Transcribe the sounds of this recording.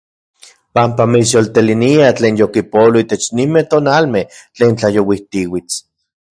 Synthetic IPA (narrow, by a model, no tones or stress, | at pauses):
pampamisjolt̪eliniat͡ɬeːnjokipoloit̪et͡ʃnimet̪onalmeht͡ɬeːnt͡ɬajowiht̪iwit͡s